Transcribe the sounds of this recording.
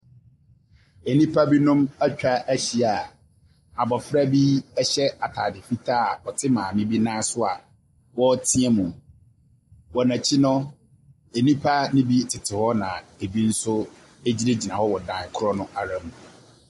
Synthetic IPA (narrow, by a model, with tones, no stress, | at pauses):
e˨nĩ˦pʰa˦bi˦nʊ̃˦mæ˦t͡ɕᶣa˦ʔæ˦ɕi˨a˨ | a˨bɔ˨fɾa˦bi˦ɛ˦ɕɛ˦a˨tʰa˨dɪ˨fi˦tʰa˦a˨ɔ˨tʰɪ˦mãː˨mɪ̃˦bi˦nãː˦sʊ˦a̰˨ | wɔ˦tʰĩ˦ɛ˦mũ˨ | wɔ˨næ̃˨t͡ɕʰi˦nʊ̃˦ | e˨nĩ˦pʰa˦nɪ̃˦bi˦tʰɪ˨tʰɪ˨hɔ˦nã̰˨e˨bi˦n̩˦sʊ˦ | e˦d͡ʑi˦ɾe˦d͡ʑi˨nã˨hɔ˦wɔ˨dã˨kʰʊ˦ɾɔ˦nʊ̃˦ʔa˨ɾã˦m˨